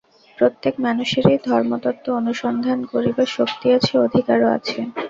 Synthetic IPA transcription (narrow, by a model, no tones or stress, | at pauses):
pɾot̪ːekmanuʃeɾejd̪ʱɔɾmot̪ɔt̪ːoonuʃɔnd̪ʱankoɾibaʃokt̪iat͡ɕʰeod̪ʱikaɾoa̰t͡ɕʰe